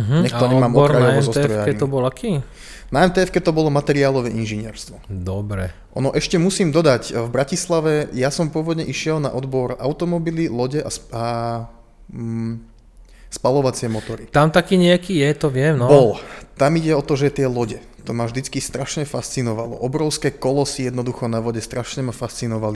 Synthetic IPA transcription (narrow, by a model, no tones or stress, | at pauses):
ɦɲɛkt̪ɔɲɛmaːmɔkɾaɛɔzɔɾɔakɛit̪ɔbɔlakʰi | naɛmnt̪ɛːɛfkɛt̪ɔbɔlɔmat̪ɛɾiaːlɔʋɛʔinʒiɲɪɛ̰ɾst̪ʋɔd̪ɔbɾɛ | ʔɔ̰nɔʔɛʃcɛmusiːmd̪ɔd̪aɟvbɾacislaʋɛjasɔmpʊɔʋɔd̪ɲɛʔiʃɪɛlna̰ʔɔd̪bɔɾa̰ʊt̪ɔmɔbililɔɟɛʔasa | spalɔʋat͡sɪɛmɔt̪ɔɾit̪amt̪akiːɲɪakijɛt̪ɔʋɪɛmnɔbɔlt̪amiɟɛɔt̪ɔʒɛt̪ɪɛlɔɟɛ | t̪ɔmavʒd̪it͡skist̪ɾaʃɲɛfast͡sinɔʋalɔ̰ʔɔbɾɔʊskɛːkɔlɔsijɛd̪nɔd̪uxɔnaʋɔɟɛst̪ɾaʃɲɛmafast͡sinɔʋali